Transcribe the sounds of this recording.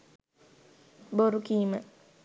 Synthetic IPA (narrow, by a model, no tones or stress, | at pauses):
boɾukima